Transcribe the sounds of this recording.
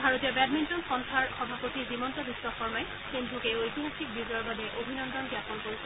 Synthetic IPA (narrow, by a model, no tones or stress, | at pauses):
bʱaɹotijɔbɛdmintonsɔnsʰaɹxɔbʱapotizimɔntɔbisːɔxɔɹmaj | senbʱukeojtimukʰik̚biuzɔɹbabɛʔobʱinɔndɔnɡjapɔnkoj